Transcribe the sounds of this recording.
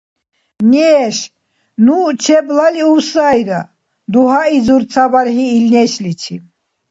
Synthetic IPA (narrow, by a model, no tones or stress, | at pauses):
nɛʃ | nut͡ʃʰɛblaliuwsajɾa | d̪uɦaid͡zuɾt͡sʰabaɾɦiːlnɛʃlit͡ʃʰi